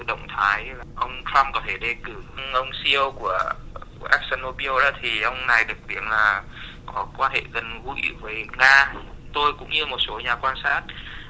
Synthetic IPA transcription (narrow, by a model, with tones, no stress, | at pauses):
ɗə̰˧˨wŋ͡mt̪ʰaː˨˦jla˨˩ʔə˧wŋ͡mt͡ɕʰɾa˧mkɔ˨˦t̪ʰe˧˩ɗe˧˩kɨ˧˩hŋʔə˧wŋ͡msi˧ə˧wku˧˩ə˧˩ʔɛ˦˥k̚sə˧nːo˧ɓi˧ə˧ɗɔ̰ː˨˦t̪ʰi˨˩ʔə˧wŋ͡mna˨˩jɗɨ˨˩ək̚t̪i˨˦ənlaː˨˩ | kɔ˨˦kwaː˧nhḛ˧˨ɣə˨˩nvṵ˧˥˨vəː˨˦jŋaː˧t̪o˧jkʊ̰˧˥ŋ͡mɲɨ˧mo˨˩t̚so˨˦ɲaː˨˩kwaː˧nsaː˦˥t̚